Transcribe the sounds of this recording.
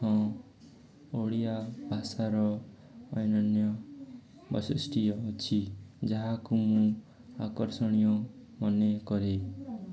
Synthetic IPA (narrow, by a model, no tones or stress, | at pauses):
ɔ̃ | oɽijabʱasaɾɔː | jnʌnjʌ | bʌ̰sisʈijɔt͡ʃʰid͡ʒaɦakumũ | akɔɾsɔɽ̃ijɔ | mʌnekɔɾe